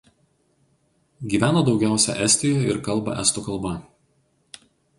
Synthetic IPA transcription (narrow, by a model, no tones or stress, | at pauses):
ɡʲiːʋʲæːnoːd̪ɒʊɡʲæˑʊsʲɛ̰ʔɛsʲt̪ʲɪjojɪɾkɐlˠˑbɐ̰ʔɛ̰st̪ukɐlˠˑbɐ